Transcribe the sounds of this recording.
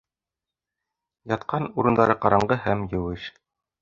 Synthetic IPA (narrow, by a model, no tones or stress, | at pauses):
jɑt̪̚qɑnuɾɤ̆nd̪ɑɾɤqɑɾɑɴɢɤɦæmjɘ̆wɘʃ